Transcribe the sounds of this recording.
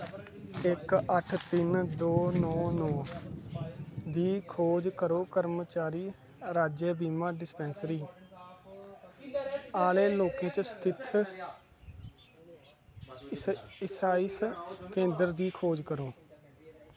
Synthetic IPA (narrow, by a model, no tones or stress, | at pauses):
ɪkəʈʰt̪ɪnd̪oːnɔːnɔː | d̪iːkʰoːd͡ʒkəɾoːkəɾmət͡ʃaːɾiː | ɾaːd͡ʒeːbiːmaːɖɪspɛ̃ːnsɾiː | aːleːloːkẽːt͡ʃəst̪ʰɪt̪ʰ | ɪsaːiskẽːnd̪əɾd̪iːkʰoːd͡ʒkəɾoː